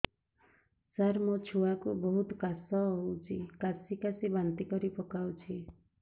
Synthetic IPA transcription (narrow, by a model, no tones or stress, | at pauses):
saɾmot͡ʃʰuakubɔɦut̪kasɔɦowt͡ʃʰikasikasibant̪ikɔɾipɔkawt͡ʃʰi